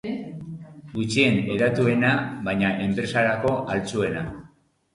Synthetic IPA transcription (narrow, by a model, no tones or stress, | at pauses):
ɡut͡ʃie̞ne̞ðat̪ue̞naβajɲaʔe̞mpɾe̞saɾako̞ʔalt͡sue̞na